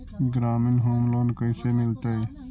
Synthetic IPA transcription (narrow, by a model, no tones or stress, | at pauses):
ɡɾaːmɪnɦoːmloːnkəiseːmɪlt̪aeː